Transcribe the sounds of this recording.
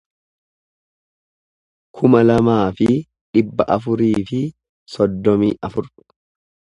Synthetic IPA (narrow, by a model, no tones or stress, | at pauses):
kʰʊmɐlɐmaːfɪ | ᶑɪbːɐʔɐfʊɾiːfɪ | sɔd̪ːɔmḭːʔɐfʊɾ